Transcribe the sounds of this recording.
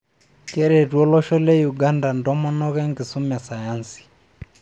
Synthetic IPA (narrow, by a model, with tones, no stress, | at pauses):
kɛ˦ɾɛ˨twɔ˦lɔ˦ʃɔ˦lɛ˦ju˨ɡa˦nda˨ndɔ˦mɔ˦nɔ˦ɣɛ˦ŋɡi˨su˦ma˨sa˨ja˦nsi̥˨